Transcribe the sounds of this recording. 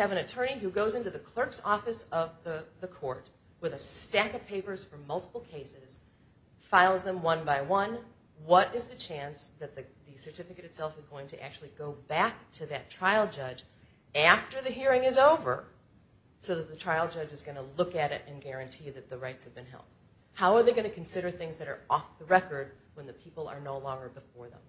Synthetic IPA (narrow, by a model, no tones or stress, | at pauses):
ɨvɨ̃nɨtʰɜ̃˞niɦʉɡoʊzɪ̃ntʉðɨkʰl̥ɜ˞ksɔfɨsʌvðɨðɨkʰɔɹt̚ | wɨðɨstækʌ̥pʰeɪpə˞z̥fə˞mʌlˠtʰə̥pl̩ˠkʰeɪsɪz̥ | faɪlˠzðə̃mwʌ̃nbaɪwʌ̃n | wʌɾɨzðɨt͡ʃʰæ̃nsðɨt̪̚ðɨðɨsə˞tʰɪfɨkɨɾɨtsɛlˠfəzɡoʊɪ̃ŋtʰɨʔæ̰k̚t͡ʃʉl̩ˠiɡoʊbæk̚tʰɨðɨtʰɹ̥aɪlˠd͡ʒʌd͡ʒ | æftə˞ðɨɦiɹɪ̃ŋɨzoʊvə̰˞ | soʊðɨt̪̚ðɨtʰɹ̥aɪl̩ˠd͡ʒʌd͡ʒɨzɡʌnəlʊkɨɾɪ̰ɾʔɨ̃nɡɛɹɨ̃ntʰiðɨt̪̚ðɨɹaɪtshvbɨ̃nɦɛ̰lˠd̥̚ | haʊə˞ðeɪɡʌñɨkʰn̩sɪɾə˞θɪ̃ŋzðɨɾə˞ʔɔfðəɹɛkə˞d̚ | wə̃nðɨpʰipl̩ˠə̰˞noʊlɔ̃ŋɡə˞bəfɔɹðə̰̃m